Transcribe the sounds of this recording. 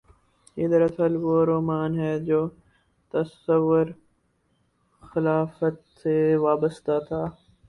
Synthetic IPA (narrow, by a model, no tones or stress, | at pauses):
ɪd̪əɾɐsəlʋoːɾoːmaːnɦɛːd͡ʒoː | t̪əsəʋːʊɾ | xɪlaːfət̪seʋaːbəst̪at̪ʰaː